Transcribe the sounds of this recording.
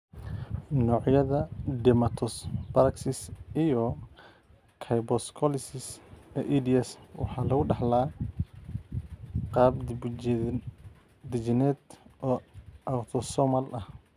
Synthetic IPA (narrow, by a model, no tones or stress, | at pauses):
nɔːʕjɐðɐd̪ɪmɐt̪ʰɔsbɐɾɐksɪsijɔ | kʰɐjbɔskʰɔlɪsɪsɛʔid̪iɛswɑ̰ħɑːlɐɣʊɖɑħlaː | qɑːbd | d̪ɪd͡ʒɪnɛd̪ʔɔːawt̪ʰɔsɔmɐlʔɐh